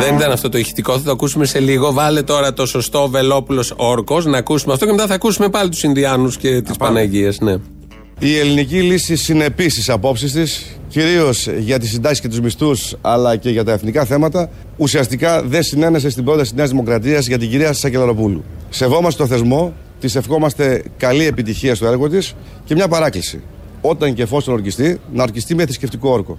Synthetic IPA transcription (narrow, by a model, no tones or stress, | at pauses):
ðenit̪ɐnɐft̪o̞t̪oiçi̥t̪iko̞θɐt̪oɐkusumese̞liɣo̞vɐlet̪o̞ɾɐt̪o̞so̞st̪o̞ve̞lo̞pulo̞so̞ɾko̞snɐːkusumeɐft̪ocemet̪ɐθɐːkusume̞pɐlit̪u̥sinðiɐnusce̞t̪ispɐnɐʝiɐsne | ie̞linicilisisine̞pist̪isɐpo̞psist̪is | ciɾio̞zʝɐt̪isind̪ɐsi̥sce̞t̪uzmist̪usɐlɐce̞ʝɐt̪ɐe̞θnikɐθe̞mɐt̪ɐ | usiɐst̪ikɐðe̞nsine̞ne̞s̬est̪ibɾo̞t̪ɐsine̞ɐzðimo̞kɾɐt̪̬iɐzʝɐt̪̬iɟiɾiɐsɐce̞lɐɾo̞pulṵse̞vo̞mɐst̪e̞t̪oθe̞zmo̞ | t̪ise̞fxo̞mɐst̪e̞kɐlie̞pit̪içiɐst̪oe̞ɾɣo̞t̪is | ce̞mɲɐpɐɾɐklisḭ | o̞t̪ɐɲce̞fo̞st̪onoɾcist̪inɐoɾcist̪imeθisceft̪iko̞oɾko̞̰